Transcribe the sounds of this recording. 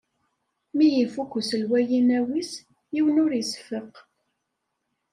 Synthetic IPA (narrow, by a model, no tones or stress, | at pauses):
mijifukʷːsəlwæjinæwis | jiwənʊɾjəsfəq